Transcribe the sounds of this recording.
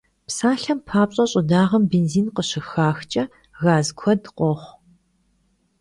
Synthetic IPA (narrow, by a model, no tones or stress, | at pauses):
psaːɬɐmpʰaːpɕʼɐɕʼɪdaːʁɐmbeːnziːnqəɕɪxaːxt͡ʃʼɐ | ɣaːzkʷʰɔdqʷɔχʷ